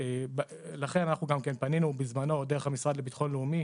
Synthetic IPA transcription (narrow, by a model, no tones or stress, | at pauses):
eb | laχe̞nanaχnuɡamkenpaninubizmano̞d̪eeχhamisʁad̪lebit̪aχo̞nleumi